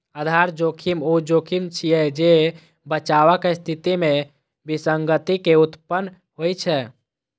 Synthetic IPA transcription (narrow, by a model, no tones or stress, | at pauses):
əd̪ʱaɾd͡ʒokʰimod͡ʒokʰimt͡ʃʰiɛd͡ʒe | bət͡ʃaβəkest̪ʰit̪ime | bisəŋɡət̪ikeut̪pənː | ɦojt͡ʃʰɛ